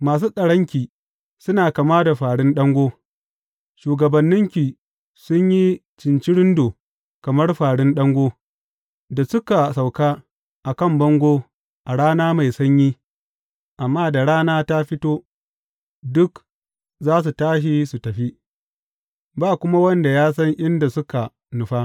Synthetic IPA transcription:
maː˨s̬uː˦sʼɐ˨ɽɐ˦ŋkʲiː˨ | sʊ˦naː˨kɐ˨maː˦da˨ɸaː˨ɽɪ˦nɗɐ˦ŋɡʷoː˦ | ʃuː˨ɡɐ˨bɐ˨nːɪ˦ŋkʲi˨ | sʊ˦ɲji˦ | t͡ʃɪ˨nt͡ʃi˦ɽɪ˦ndoː˨ | kɐ˨mɐ˦rɸaː˨ɽɪ˦nɗɐ˦ŋɡʷoː˦ | da˨sʊ˦ka˨sa˨wkaː˦ | ʔa˨kɐ˦˨mbɐ˦ŋɡʷoː˦ | ʔa˨ɽaː˦naː˦ma˨jsɐ˦ɲjiː˦ | ʔa˨mːaː˦da˨ɽaː˦naː˦ta˦ɸɪ˦toː˦ | dʊ˦k | zaː˦s̬u˨taː˦ʃ̬i˦su˨tɐ˨ɸi˦ | baː˦kʷʊ˦ma˦wɐ˦nda˨jaː˦sɐ˦ŋʔɪ˦nda˨sʊ˦ka˨ | nʊ˨ɸaː˦

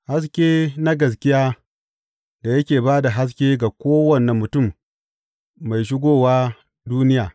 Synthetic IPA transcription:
ha˦s̬kʲeː˦na˦ɡɐ˨s̬kʲɪ˦jaː˦ | da˨jɐ˦kʲeː˨baː˦da˨ɦa˦s̬kʲeː˦ɡa˨kʷoː˦wɐ˨nːɐ˨mːʊ˨tʊ˦˨m | a˨jʃ̬ɪ˦ɡʷoː˦waː˦ | duː˦nɪ˦jaː˨

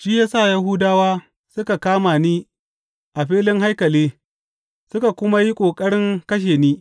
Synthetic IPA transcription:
ʃiː˦jaː˦sa˦˨ja˦ɦʊ˦daː˦waː˦ | sʊ˦ka˨kaː˦maː˨niː˦ | ʔa˨ɸiː˦lɪ˦ŋɦa˦jkɐ˨leː˦ | sʊ˦ka˨kʷʊ˦ma˦ji˦kʷʼoː˨kʼɐ˦ɽɪ˦ŋkɐ˦ʃ̬eː˨niː˦

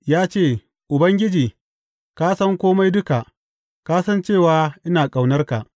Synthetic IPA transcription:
jaː˦t͡ʃeː˦˨ | ʔʊ˨bɐ˦ŋɡʲɪ˦d͡ʒiː˨ | kaː˦sɐ˦ŋkʷoː˦ma˦jdʊ˦ka˨ʔ | kaː˦sɐ˦nt͡ʃeː˦˨waː˨˦ʔɪ˦naː˨kʼa˨wnɐ˦rka˨ʔ

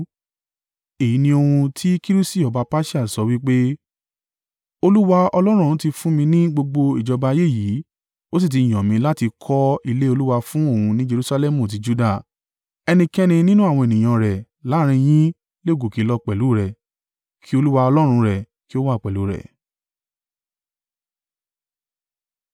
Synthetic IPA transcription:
e˨ji˨˦nĩ˧o˧hũ˧tʰi˦ki˦ɾu˦si˦˨ɔ˨ba˨˧pa˦ʃi˦a˦˨sɔ˨˦wi˦k͡pe˦ | o˧lu˦wa˧ɔ˧lɔ˦ɾ̃ũ˦˨ũ˨˦ti˧fũ˦mĩ˧nĩ˦ɡ͡bo˧ɡ͡bo˧i˨d͡ʒɔ˧ba˧je˦˨ji˨˦ | o˦s̬i˦˨t̬i˨˧i˨j̃ãɔ̃˨mĩ˧la˦ti˧kʰɔ˦i˧le˦o˧lu˦wa˧fũ˦o˦˨ũ˧nĩ˦d͡ʒe˧ɾu˦sa˧lɛ˦mũ˨t̬i˨˧˦d͡ʒu˦da˦˨ | ɛ˧nĩ˧kɛ˦nĩ˧nĩ˦nũ˦a˦˨w̃ɔ̃˧e˨nĩ˨j̃ã˧˨ɾɛ˨ | la˨˦ɾ̃ĩ˧j̃ĩ˦ | le˦˨ɡo˨ki˨˦lɔ˧˦k͡pɛ˨lu˨˦ɾɛ˨ | kʰi˦o˧lu˦wa˧ɔ˧lɔ˦ɾ̃ũ˧ɾɛ˨ | ki˦o˦wa˦˨k͡pɛ˨lu˨˦ɾɛ̰˨

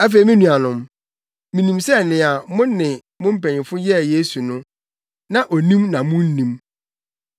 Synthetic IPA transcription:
æ˦fe˨i˨mĩ˦nũ˨a˨nʊ̃˨m | mĩ˨nĩ˨msɛ˦˨nɪ̃˨a˨mʊ̃˦nː˦ɪ̃˨ | mʊ̃˦m̩˦pɛ̃˨ɲ˨ɪ̃˨fʊ˦jɛ˦˨jeː˦su˨nʊ̃˦ | nã˨ʔo˨nĩ˦mnã˨mʊ̃˦n̩˦nĩ˦m

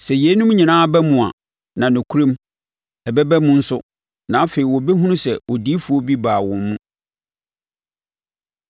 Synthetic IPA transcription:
sɛ˨je˦nʊ̃˦mɲĩ˨nãː˦a˦bɛ˦mũ˨a̰˨ | nã˨nʊ̃˨kʰu˦ɾɛ̃˦m | ɛ˨bɛ˦bɛ˦mũ˦n̩˦sʊ˦ | nã˨˦fe˨i˨wɔ˨bɛ˦ɦũ˦nʊ̃˦sɛ˨wɔ˨di˦fu˨˦ɔ˦bi˦baː˨wɔ̃˨mːũ˦

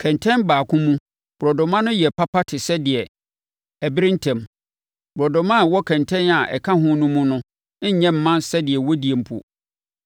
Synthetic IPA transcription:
kʰɛ̃˨ntʰɛ̃˦nbaː˨kʰʊ̃˦mũ˦ | b̥ʊ˨ɾɔ˨dʊ̃˨mã˦nʊ̃˦jɛ˨pʰa˦pʰa˦tʰɪ˨sɛ˦dɪ˨ɛ˨ | ɛ˨bɪ˦ɾĩ˦n˦tʰɛ̃˨m | bɾɔ˨dʊ̃˨mã˦˨wɔ˦kʰɛ̃˨ntʰɛ̃˦na˨ʔɛ̰˨kʰã˦ɦʊ̃˦nʊ̃˦mũ˦nʊ̃˦ | ɲɛ̃˦m̩˨mːã˦nsɛ˦dɪ˨ɛ˨wɔ˦di˨e˨m̩˦pʰṵ˦

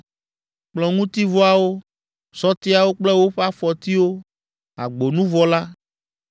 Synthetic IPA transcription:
k͡plɔ˨ŋũ˦t̪i˦vɔ˦a˨wo˦ | sɔ˦t̪i˦a˨wo˦k͡plɛ˦wo˦ɸa˦fɔ˨t̪i˦wo˦ | a̰˨ɡ͡bo˨nũ˦vɔ˦la˦

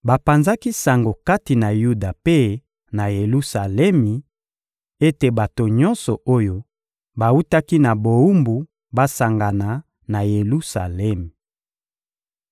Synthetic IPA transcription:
ba˨pa˨nza˦ki˦sa˨ŋɡo˨ka˦ti˨na˨ju˦da˨pe˦ | na˨je˨lu˦sa˨lɛ˦mi˨ | e˦te˨ba˨to˨ɲɔ̃˦nsɔ˨ʔo˦jo˦ | ba˨u˦ta˦ki˦na˨bo˨u˦mbu˨ | ba˦sa˨ŋɡa˨na˨ | na˨je˨lu˦sa̰˨lɛ˦mi˨

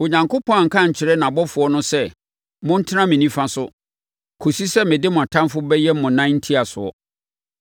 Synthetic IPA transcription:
o˨ɲã˨ŋko˦pʰɔ̃˦˨ŋ̩˨kʰã˦˨ɲ̩˨t͡ɕʰɪ˨ɾɛ˦nã˨bɔ˦fʊ˨ɔ˦nʊ̃˦sɛ˦ | mʊ̃˦n̩˦tʰɪ˦nã˦mɪ̃˨nĩ˦fã˦sʊ˦ | kʰo˨si˦sɛ˦mɪ̃˨dɪ˦mʊ̃˨a˨tʰã˦nfʊ˦bɛ˦jɛ˦m˦mʊ̃˨nã˦nn̩˦tʰi˦a˨sʊ˨ɔ̰˨

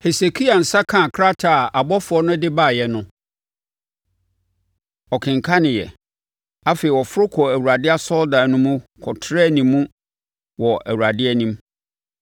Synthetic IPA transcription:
hɛ˨se˨kʰi˦a˨n̩˨sa˦kʰã˦˨kʰɾa˦tʰa˨a˨bɔ˦fʊ˨ɔ˦nʊ̃˦dɪ˦baː˦˨jɛ˨nʊ̃˦ | ɔ˨kʰɪ̃˨ŋ˨kʰa˦nɪ̃˨jɛ̰˨ | a˦fe˨i˨wɔ˨fʊ˦ɾʊ˦kʰɔ˨æ˨wu˨ɾa˨dɪ˦a˦sɔ˦ldã˨nʊ̃˦mũ˦kʰɔ˨tʰɾɛ˦˨nĩ˨mːũ˦ | wɔ˨ʔæ̰˨wu˨ɾa˨dɪ˦ɛ˦nĩ˦m

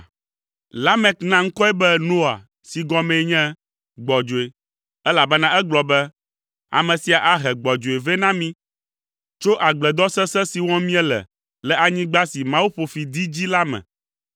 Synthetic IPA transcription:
la˦mɛ˦knã˦ŋ̩˦kɔ˦ɛ˦bɛ˦no˦a̰˨ | si˨ɡɔ̃˦mɛ̃˨˦ɲɛ̃˦ | ɡ͡bɔ˨d͡ʒo˨e˨ | ɛ˦la˨bɛ˦nã˦ʔɛ˦ɡ͡blɔ˨bɛ˦ | a̰˨mɛ̃˨si˨a˨ʔa˦ɦɛ˨ɡ͡bɔ˨d͡ʒo˨e˨vɛ˦nã˦mĩ˦ | t͡ʃo˦ʔa˨ɡ͡blɛ˨d̪ɔ˦sɛ˦sɛ˦si˨wɔ̃˦mĩ˦ɛ˦lɛ̰˨ | lɛ˦a˨ɲĩ˦ɡ͡ba˦si˨mã˨˦wu˦ɸo˨fi˨d̪i˦d͡ʑi˦la˦mɛ̰̃˨

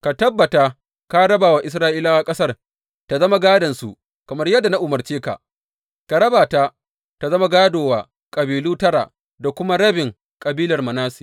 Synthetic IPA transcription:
ka˨tɐ˦bːɐ˨ta˦ | ka˦ɽɐ˦baː˨wa˨ʔɪ˨s̬ɾaː˦ʔiː˦laː˦wa˦˨kʼɐ˦sɐ˦r | ta˨zɐ˦ma˦ɡaː˦dɐ˨nsṵ˨ʔ | kɐ˨mɐ˦rjɐ˦dːa˨na˦ʔʊ˨mɐ˨rt͡ʃeː˦ka̰˨ | ka˨ɽɐ˦baː˨ta˦ | ta˨zɐ˦ma˦ɡaː˦doː˨waː˨ | kʼɐ˨biː˨luː˦tɐ˦ɽa̰˨ | da˨kʷʊ˦ma˦ɽɐ˦bɪ˨ŋ | kʼɐ˨biː˦lɐ˨rmɐ˨naː˦siː˨

